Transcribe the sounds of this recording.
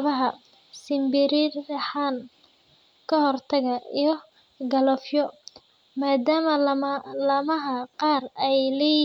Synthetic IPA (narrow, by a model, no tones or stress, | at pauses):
βɐɦɐ | sɪmbɪɾɪdɐħaːn | kʰɐhɔrt̪ʰɐɣɐijɞ | ɡɐlɐfjɔ | maːd̪aːmɐlɐmɐɦɐqɑːrɛjlɛːj